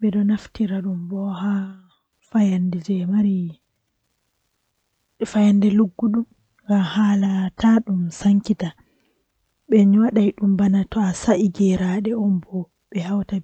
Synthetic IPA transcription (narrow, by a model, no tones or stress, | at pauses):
ɓɛɗɔnaftiɾaɗumbɔha | fajandɛd͡ʒɛmaɾi | fajandɛluɡːuɗum | ŋɡamhalatʰaɗumsaŋkita | ɓɛɲwaɗajɗumbanatɔasaʔiɡɛɾaɗɛɔmbɔ | ɓɛhawta